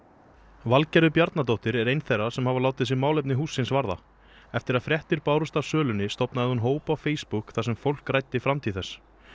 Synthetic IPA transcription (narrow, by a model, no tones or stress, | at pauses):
valcɛɾʏpjaɾt̪nat̪owht̪ɪɾɛɾejnθejrːḁsɛmhavalaːwt̪ɪðsɪmaːwlejp̬̚nɪɦuːsːɪnsvaɾða̰ | ɛft̪ɪɾaðfɾjɛht̪ɪɾpaːwɾʏst̪avsœːlʏnɪst̪ɔpnaðɪhunɦoːwpawfeːjspukθasɛmfowl̥krajt̪ɪfɾamt̪ʰiθɛsː